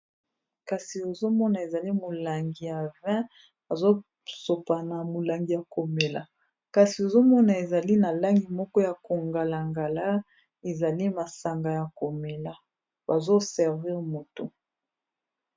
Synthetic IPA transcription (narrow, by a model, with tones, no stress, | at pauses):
ka˨si˨o˨zo˦mɔ˦na˨e˨za˨li˦mo˨la˨ŋɡi˨ja˨vɛ̃˦ | a˨zo˦ | so˨pa˨na˨mo˨la˨ŋɡi˨ja˨ko˨me˨la˨ | ka˨si˨o˨zo˦mɔ˦na˨e˨za˨li˦na˨la˦ŋɡi˨mɔ˦kɔ˦ja˨ko˨ŋɡa˨la˨ŋɡa˨la˦ | e˨za˨li˦ma˨sa˨ŋɡa˨ja˨ko˨me˨la˨ | ba˨zo˦sɛ˨ʁvi˦ʁmo˨to˨